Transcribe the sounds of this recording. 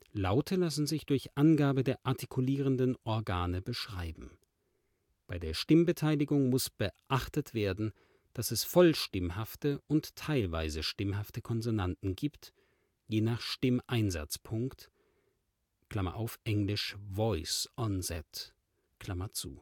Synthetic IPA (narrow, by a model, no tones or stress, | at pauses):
laʊtʰəlasn̩zɪçd̥ʊɐçʔanɡaːbədeːɐʔaɐtʰi̥kʰuliːʁ̞əndənʔɔɐɡaːnəbəʃʁ̥aɪbm̩ | b̥aɪdeːɐʃtɪmbətʰaɪlɪɡʊŋmʊsb̥əʔaχtətv̥eːɐdn̩ | d̥asɛsfɔlʃtɪmɦaftəʔʊnttʰːaɪlva̰ɪzəʃtɪmhaftəkʰɔnzonantn̩ɡiːpt | jeːnaːχʃtɪmʔaɪnza̰t͡spʰʊŋkt | kl̥amɐ̰ʔaʊfʔɛŋlɪʃvɔʏsʔɔnzɛt | kl̥amɐt͡sṵː